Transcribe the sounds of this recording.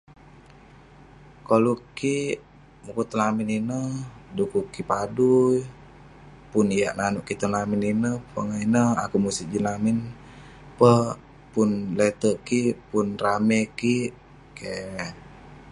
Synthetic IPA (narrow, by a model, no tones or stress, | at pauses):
koluki | mukut̪əlamininədukukipaduj | punijaʔnanuʔkit̪əlamininəpə̰ŋainəa̰kumusiʔd͡ʒinamin | pə | punlet̪əʔkipunramɛkiʔ | ke